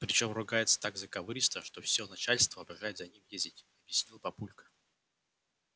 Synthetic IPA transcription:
pɾʲɪt͡ɕomrʊɡajɪt̪sə̥t̪aɡzəkɐvɨɾʲɪst̪əʂt̪ofsʲonɐt͡ɕalʲst̪vəɐbʲɪʐajɪt̪zɐnʲimjezʲdʲɪtʲɐbʲjɪsʲnʲilˠpɐpulʲkə̥

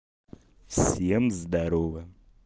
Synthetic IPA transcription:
fsʲemzd̪aɾovɨ

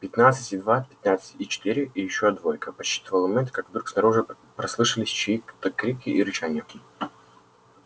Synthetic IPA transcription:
pʲɪt̪nat̪sɨtʲɪd̪vat̪̚pʲɪ̥t̪nat̪sɨ̥tʲit͡ɕɪ̥t̪ɨɾʲɪʔijɪɕːod̪volʲkəpɐt͡ɕːi̥t̪əvəlˠmɐmʲent̪kakvd̪ɾuksnɐɾuʐɨ | pɾɐslˠɨʂɨlʲɪsʲt͡ɕɪikt̪ːəkːɾʲip̚kʲɪʔiɾɨt͡ɕanʲɛɪ

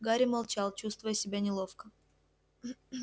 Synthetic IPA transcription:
ɡaɾʲɪmɐlˠt͡ɕɑlˠt͡ɕust̪vəjəsʲɪbʲanʲɪlˠofkə

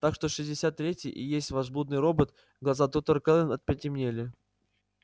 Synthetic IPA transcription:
t̪akʂt̪oʂɨzʲdʲɪsʲat̪ːɾʲetʲɪjʔɪ̰jesʲtʲvɐzbud̪nɨjɾo̞bət̪ | ɡlˠɐzat̪ot̪ərkɛlʲˠɪnɐt̪̚pʲɛtʲɪmnʲelʲɪ

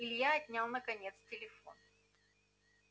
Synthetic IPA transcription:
ɪlʲjaɐtʲnʲalˠnəkɐnʲet̪stʲɪlʲɪfo̞̰n

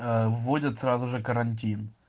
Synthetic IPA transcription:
əvːodʲət̪srazʊʐɨkəɾɐnʲt̬ʲin

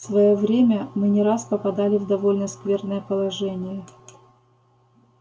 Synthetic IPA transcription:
svɐjovɾʲemʲəmɨnʲɪɾaspəpɐd̪alʲɪvd̪ɐvo̞lʲnəskvʲe̞rnəjəpəlˠɐʐɛnʲɪjə

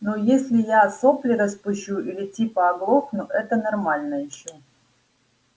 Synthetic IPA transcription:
nojesʲlʲɪjasoplʲɪɾəspʊɕːuʔilʲɪtʲipɐːɡlˠoknʊʔɛt̪ənɐrmalʲnəjɪɕːo

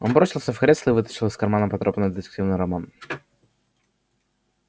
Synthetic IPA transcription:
ɔnbɾɔsʲilˠsʲəfxɾʲɛslˠɨvɨt̪ɐ̥t͡ʃɨlˠɨskɐɾmanɐpɐt̪ɾɔbnəd̪ɨt̪ɨ̥kt̪ɨvnɨɾɐman

